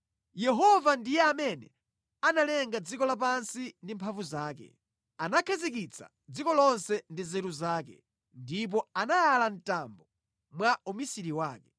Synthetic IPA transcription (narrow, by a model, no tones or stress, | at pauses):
jɛɦɔvandijɛamɛnɛ̰ | analɛŋɡad͡zikɔlap̬ansindimpʰaɱvuzaːkɛ̰ | anakʰazikit͡sʰa̰ | d͡zikɔlɔnsɛndizɛɾuzaːk̬ɛ̰ | ndip̬ɔanajalan̩tambɔ | mwaumisiɾiwaːkɛ